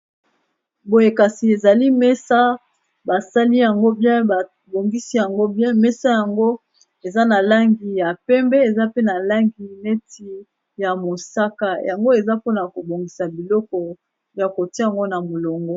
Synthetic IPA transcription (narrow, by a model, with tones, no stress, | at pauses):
bo˨je˨ka˨si˨e˨za˨li˦mɛ˦sa˦ | ba˨sa˦li˦ja˨ŋɡo˦bjɛ̃˦ba˨ | bo˨ŋɡi˦si˦ja˨ŋɡo˦bjɛ̃˦mɛ˦sa˦ja˨ŋɡo˦ | e˨za˦na˨la˦ŋɡi˨ja˨pɛ˦mbɛ˦e˨za˦pe˦na˨la˦ŋɡi˨ne˦tʰi˨ | ja˨mo˨sa˦ka˨jʔa˨ŋɡo˦e˨za˦po˦na˨ko˨bo˨ŋɡi˨sa˨bi˨lɔ˦kɔ˨ | ja˨ko˨ta˨ŋɡo˦na˨mo˨lo˨ŋɡɔ˦